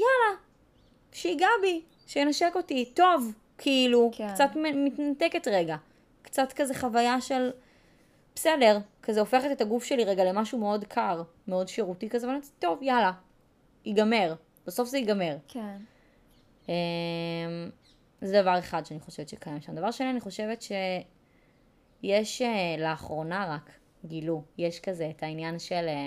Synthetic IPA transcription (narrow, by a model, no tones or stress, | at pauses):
jala | ʃeiɡabi | ʃejenaʃeko̞tito̞v | kʰeilukt͡satmemitnateketʁe̞ɡa | kt͡satkazeχavajaʃe̞l | psele̞ʁkazeofeχetet̪aɡufʃe̞liʁeɡalemaʃume̞o̞dkʰaʁ | meo̞dʃeʁutikazevalt̪o̞vjala | iɡame̞ʁ | b̥aso̞fzeiɡame̞ʁk | em | zɛdavaʁe̞χadʃeaniχo̞ʃevetʃekajamʃamd̪avaʁʃnianiχo̞ʃe̞vetʃe̞ | jeʃeleaχʁo̞naʁak | ɡilujeʃkazeːtʰainjanʃele